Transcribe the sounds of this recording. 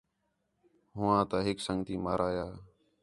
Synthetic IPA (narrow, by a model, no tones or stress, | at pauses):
ɦʊʋãːt̪aːɦɪksəŋɡt̪iːmaːɾaːjaː